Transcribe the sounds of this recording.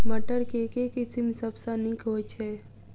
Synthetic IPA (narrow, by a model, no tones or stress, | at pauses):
bəʈəɾkekekɪsimsəbsanikɦot͡ʃʰeː